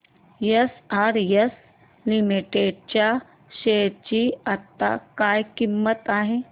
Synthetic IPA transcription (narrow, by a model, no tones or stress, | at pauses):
jəsaːɾjəs | limiʈeɖ̚t͡ɕa | ʃeːɾt͡ɕiɐt̪ːa̰kaːjkimːət̪aːɦeː